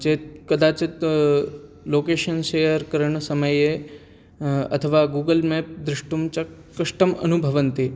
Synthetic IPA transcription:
d͡ʒeːkɐd̪aːt͡ʃt̪ | loːkeːʃənʃejəɾkəɾəɳ̃sɐməje | ɐ̰t̪ʰəʋaɡuːɡəlmeːp̚d̪ɾɪʂʈumt͡ʃa | kɐʂʈəmɐ̰nubʱəʋənt̪e

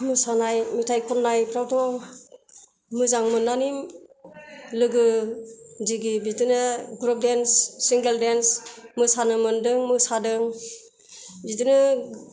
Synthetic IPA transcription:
mɯsanajmitʰajkʰɔnːajpʰɾawtɔ | mɯzaŋmɯnːanim | lɯɡɯ | d͡ʒiɡibitɯnɯɡɾɔp̚densːiŋɡeldensmɯsanɯmɯndɯŋmɯsadɯŋ | bidɯnɯ

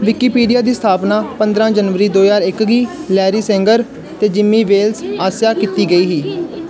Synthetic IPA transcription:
ʋɪkiːpiːɖijaːd̪iːsət̪ʰaːpnaːpənd̪ɾãːd͡ʒənʋəɾiːd̪oːjaːɾɪkɡiːlɛːɾiːsɛ̃ːŋɡəɾ | t̪eːd͡ʒɪmːiːʋeːlsaːsjaːkiːt̪iːɡəiːɦiː

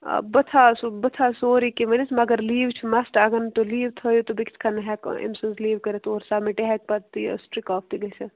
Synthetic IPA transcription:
bɐt̪ʰaːsubɐt̪ʰaːsoːɾikemɐnismɐɡəɾliːʋt͡ʃʰumɐsʈaɡɐnt̪oliːʋt̪ʰəːjut̪obikt͡ʃʰkʰɐnɐɦɛkɪ̰msɐnsliːʋkɐɾet̪oːɾsaːmeʈeɦɛk̚pɐt̪t̪ːḭsʈɾikɔːp̚t̪iɡɐt͡ʃʰɐ

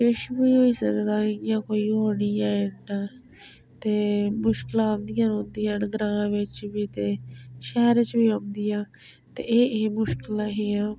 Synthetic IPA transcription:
ɪʃbiːɦoːiːsəkd̪aːjãːkoːiːɦoːɽiːãːɪnː | t̪eːmʊʃkɪlãːnd̪ijãːnõːnd̪iːãːnɡɾãːʋɪt͡ʃbiːt̪eːʃɛːɾt͡ʃbiːõːnd̪ijãː | t̪ḛːʔeːeːmʊʃkɪlaːɦeːãː

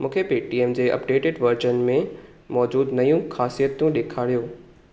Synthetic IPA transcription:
mũːkʰepiːʈieːmd͡ʑeːʔɐ̰pɖeːʈɪɖʋɐɾd͡ʑənmẽ | mɔːd͡ʑuːd̪nɐjũxaːsijət̪jũɗeːkʰaːɽijoː

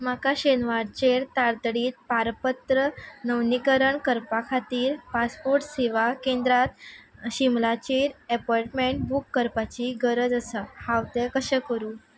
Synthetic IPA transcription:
makaɕenʋaɽt͡ɕeɾt̪aɾt̪ɽiːt̪̚paɾpət̪ɾənəwnikəɾəɳkəɾpakʰat̪iːɾpaspoɾʈseʋakẽnd̪ɾat̪ɕimlat͡ɕeɾɛpɔjʈmeɳʈ̚bukːəɾpat͡ɕiɡəɾəd͡zəsahawt̪ekəɕɛ̃kəɾuː

